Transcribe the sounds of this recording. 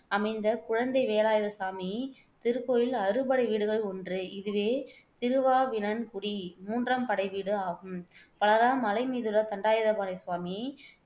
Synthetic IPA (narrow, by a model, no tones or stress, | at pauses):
ɐmɐɪnd̪ɐkʊɻɐnd̪ɐɪʋeːɐlaːjɐðɐsaːmi | t̪ɪɾɯkːoːjɪlɐrɯpɐɽɐɪʋiːɽɯɣɐɭɔndrɯɪðɯʋeː | t̪ɪɾɯʋaːʋɪnɐnkʊɽimuːndrɐmpɐɽɐɪʋiːɽɯaːɣɯmpɐɭɐɾaːmɐlɐɪmiːðɯlːɐt̪ɐɳɖaːjɐðɐpaːnɐɪsʋaːmi